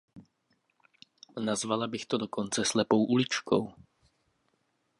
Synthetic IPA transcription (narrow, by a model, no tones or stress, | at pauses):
nazvalabɪxt̪odokʰont͡sɛslɛpo̞wʔulɪt͡ʃkʰo̰w